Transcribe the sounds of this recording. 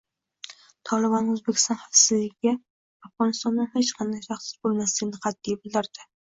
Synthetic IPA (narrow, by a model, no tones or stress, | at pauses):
t̪ʰɒlɪbɒnɵzbekʲɪ̥st̪ɒnhɑfsɪzːɪɡʲɪɡʲɪ | afʁɒnɪst̪ɒnːɪnhet͡ʃqʰɑnd̪ajʃʰɑχsɪ̥zbolˠmaslɪɡʲɪnɪqʰɑd̪ːijabɪld̪ɪɾd̪̥ɪ